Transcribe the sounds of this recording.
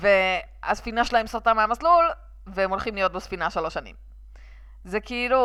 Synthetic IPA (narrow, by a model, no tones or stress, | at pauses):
ve | asfinaʃelae̞msʁat̪ameamaslul | veemo̞lχimlijo̞t̪̚besfinaʃalo̞ʃanḭm | zekiilu